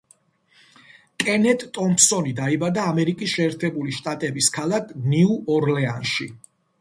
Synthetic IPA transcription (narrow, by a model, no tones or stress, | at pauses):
kʼɛnɛt̪ʼt̪ʼɔmpsɔnid̪aibad̪aːmɛɾikʼisʃɛːɾt̪ʰɛbuliʃt̪ʼat̪ʼɛbiskʰalakʰniuɔɾlɛa̰nʃḭ